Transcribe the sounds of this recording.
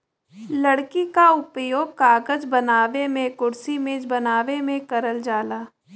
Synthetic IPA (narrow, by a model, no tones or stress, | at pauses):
lɐɽkikaʊpjoːɡ̚kaːɡəd͡ʒbənaːʋemẽkʊɽsimẽd͡ʒbɐnaːʋemẽkəɾəld͡ʒaːlaː